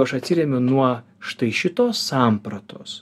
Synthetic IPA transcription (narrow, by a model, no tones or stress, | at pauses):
ɐʃɐt̪ʲsʲɪɾʲɛmʲʊnuɔ | ʃt̪ɐɪʃʲɪt̪oːsːɑːmpɾɐt̪ʰoːs